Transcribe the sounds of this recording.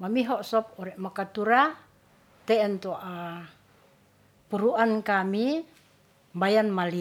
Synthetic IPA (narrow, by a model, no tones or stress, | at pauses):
mamiɦɔʔsɔp̚ɔɾɛʔmakat̪uɾa | t̪ɛɛnt̪oʔa | puɾuankami | mbajanmali